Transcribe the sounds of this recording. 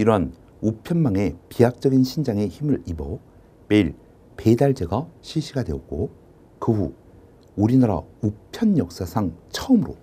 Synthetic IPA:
iɾʌn | upʰjʌnmaŋe̞piak̚t͡ɕ͈ʌɡinɕʰind͡ʑaŋe̞çimɯɭibʌ | me̞iɭ | pe̞daɭd͡ʑe̞ɡaɕʰiɕʰiɡadwe̞ʌt̚k͈o | kɯɸṵ | uɾinaɾa̰upʰjʌnjʌk̚s͈asʰaŋt͡ɕʰʌɯmɯɾo

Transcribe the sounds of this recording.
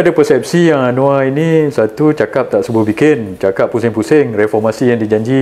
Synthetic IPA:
adapəsɛp̚sijaŋanõainisat̪ut͡ʃakap̚t̪aʔsəbʊhbikɪnt͡ʃakapːusɪŋpusɪŋrɛfɔrmasijaŋdid͡ʒaɲd͡ʒi

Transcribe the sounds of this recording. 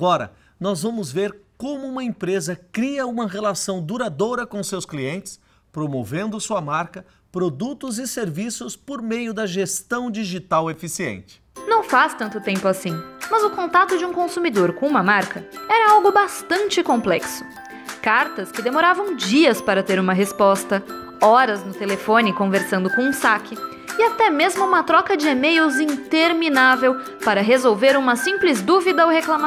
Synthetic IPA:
aɡɔɾɐ̰ | nɔzvɐ̃mʊzveɾkõmʊũmɐẽpɾezɐkɾiɐũmɐʁelasɐ̃w̃d̪uɾad̪oɾɐkõʊsewskliẽnt͡ʃɪ̥s | pɾomovẽnd̪ʊsuɐmaɾkɐ | pɾod̪ut̪ʊzɪseɾvisʊspoɾmejʊd̪ɐʒest̪ɐ̃w̃d͡ʒiʒit̪awefisiḛ̃nt͡ʃɪ̥nɐ̃w̃fast̪ɐ̃nt̪ʊt̪ẽmpʊasĩmɐzʊkõnt̪at̪ʊd͡ʒɪũkõsumid̪oɾkõũmɐmaɾkɐɛɾɐawɡʊbast̪ɐ̃nt͡ʃɪkõplɛksʊ̥ | kaɾt̪ɐskɪd̪emoɾavɐ̃w̃d͡ʒiɐspaɾɐt̪eɾũmɐɦespɔst̪ɐ | ɔɾɐznʊt̪elefõnɪkõveɾsɐ̃nd̪ʊkõũsakʰɪ | ɪat̪ɛmezmʊũmɐt̪ɾɔkɐd͡ʒɪemejuzĩnt̪eɾminavew | paɾɐɦezowveɾũmɐsĩplɪzd̪uvid̪ɐawheklama

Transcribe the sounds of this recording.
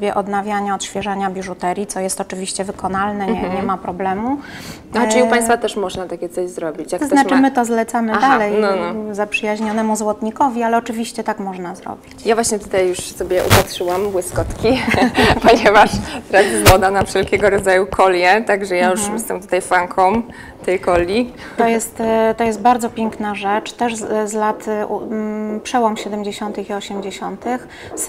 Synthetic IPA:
bʲjɛʔɔd̪navʲjaɲaɔt̪ɕfʲjɛʐaɲabʲiʐut̪ɛɾʲjit̪sɔjɛst̪ɔt͡ʂɘvʲiɕt͡ɕɛvɘkɔnalnɛɲɛɲɛmapɾɔblɛmu | xɔiupajst̪fat̪ɛʂmɔʐnat̪akʲɛt̪sɔʑzɾɔbʲit͡ɕjak̪ɔznat͡ʂɘmɘt̪ɔzlɛt̪samɘd̪alɛjnɔnɔzapʂɘjaʑɲɔnɛmuzwɔt̪ɲikɔvʲialɛɔt͡ʂɘvʲiɕt͡ɕɛt̪akmɔʐnazɾɔ̰bʲit͡ɕjavwaɕɲɛt̪ut̪ajːuʂsɔbʲjɛʔṵpat̪ʂɘwambwɘskɔt̪kʲipɔɲɛvaʂt̪ɛɾazvɔd̪anafʂɛlkʲɛɡɔɾɔd̪zajukʰɔljɛt̪aɡʐɛjajuʂjɛst̪ɛmt̪u̥t̪ajfaŋkʰɔm | t̪ɛjkɔlʲːi | t̪ɔjɛst̪t̪ɔjɛst̪̚baɾd̪zɔpʲjɛŋknaʐɛt͡ʂt̪ɛʐzlat̪upʂɛwɔmɕɛd̪ɛmd͡ʑeɕɔnt̪ɘxiɔɕɛmd͡ʑeɕɔnt̪ɘx | s

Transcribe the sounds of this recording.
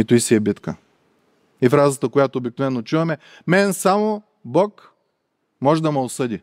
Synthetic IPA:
it̪uisiɛbit̪kə | ifɾazət̪əkojat̪oobik̚novɛnːot͡ʃuvɐmɛ | mɛnsamo | bɔk | mɔʒɛd̪ɐmɐosɤd̪i

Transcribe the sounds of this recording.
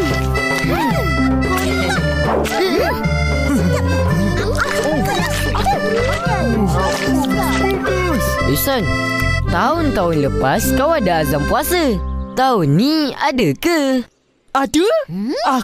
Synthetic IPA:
o | bisan | t̪aʊnt̪aʊnləpaskawadaːzamkuasət̪aʊnːĩa̰dəkə | atua

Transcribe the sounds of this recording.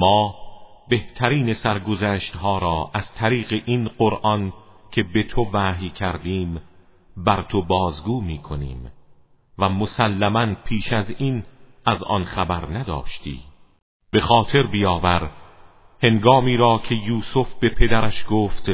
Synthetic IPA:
mɒːbe̞ht̪ʰæɾiːne̞sæɾɡo̞zæːʃt̪hɒːɾɒːʔæz̥t̪ʰæɾiːɣeʔinɢoɾʔɒncʰe̞be̞t̪ʰovæːɦjcʰæɾd̪iːm | bæɾt̪ʰobɒːzɡuːmiːkʰonḭːm | væmosælːæmænpʰiːʃæzinæzʔɒ̰nxæbæɾnæd̪ɒ̰ːʃt̪ʰḭː | b̥e̞xɒːt̪ʰe̞ɾbijɒːvæɾ | he̞ŋɡɒːmiːɾɒːcʰe̞juːsofb̥e̞pʰe̞d̪æɾæʃɡoːft̪

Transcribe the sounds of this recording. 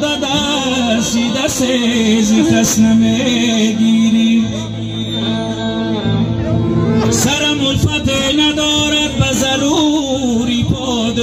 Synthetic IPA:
d̪ad̪asid̪asezikasnamed̪iɾi | asaɾamʊlfat̪enad̪ɔːɾad̪̚bazaɾu | ɾipʰɔ | d̪

